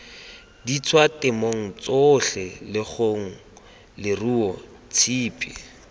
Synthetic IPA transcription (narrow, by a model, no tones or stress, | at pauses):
dit͡sʰwatɪmoŋ̩t͡soɬɛlɪχoŋ̩ | lɪruɔ | t͡sʰiːpʰʼi